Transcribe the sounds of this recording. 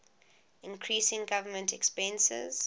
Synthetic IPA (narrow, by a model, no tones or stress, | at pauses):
ɪ̃nkʰɹisɪ̃ŋɡavəmə̃ntʰɛkspɛ̃nsɪ̰z̥